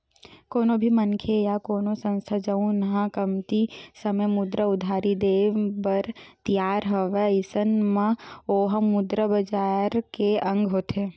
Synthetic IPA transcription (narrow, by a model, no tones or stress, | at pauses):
koːnobʱimɐnkʰejakoːnosɐ̃nst̪ʰad͡ʒəũnɐɦãkəmt̪isəməmʊd̪ɾəʊd̪ʱaːɾid̪eːʋbɐɾt̪ijaːɾɦoʋeɪsənmə̃oːɦəmʊd̪ɾəbɐd͡ʒaːɾkeɐ̃ŋɡɦoːt̪eː